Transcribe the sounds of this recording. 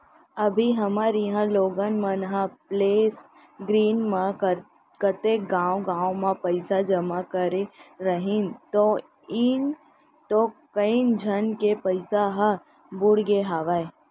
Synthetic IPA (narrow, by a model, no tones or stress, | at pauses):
əbʱiɦɐmaːɾiɦãloːɡənmə̃nɦãpleːs | ɡɾiːnmãkə | kət̪ekɡãːwoɡãːõmãpəɪsad͡ʒəmakəɾeɾəɦint̪o | ɪn | ʈokəind͡ʒʱənkepəɪsaɦã | bʊɽɡeɦaːʋaːe